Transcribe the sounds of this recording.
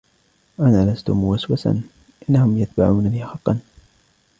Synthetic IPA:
ʔanaːlast̪ʊmʊwaswasa̰n | ʔɪnːahʊmjat̪̚ba̰ʕuːnabɪhxɑqːɑn

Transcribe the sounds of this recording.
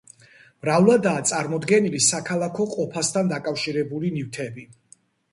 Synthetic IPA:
mɾavlˠad̪aːt̪sʼaɾmɔd̪ɡɛnilisakʰalˠakʰɔqʼɔpʰast̪ʰand̪akʼafʃiɾɛbulinift̪ʰɛbi

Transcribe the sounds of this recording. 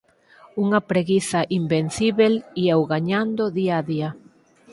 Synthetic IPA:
uŋɐpɾeɣiθaʔimben̟θiβeliɛwɣaɲand̪oðiaðia

